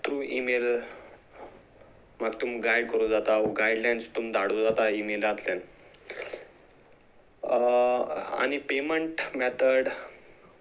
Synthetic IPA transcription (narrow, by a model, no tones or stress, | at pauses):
t̪ɾuːimel | maɡt̪umɡajɽkəɾud͡zat̪aoɡajɖlajnst̪umd̪aɽ̤ud͡zat̪aimelat̪lan | a̰ñipeməɳʈmɛt̪ʰəɽ